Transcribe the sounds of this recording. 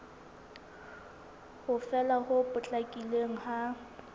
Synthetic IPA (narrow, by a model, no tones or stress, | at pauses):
hʊfɛlahʊpʼʊt͡ɬʼakʼileŋ̩ha